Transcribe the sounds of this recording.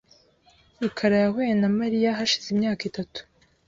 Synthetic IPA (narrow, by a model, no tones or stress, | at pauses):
ikʰaɾajahweːjenamaɾijaɦaʃi̥zimɲaːkitatu̥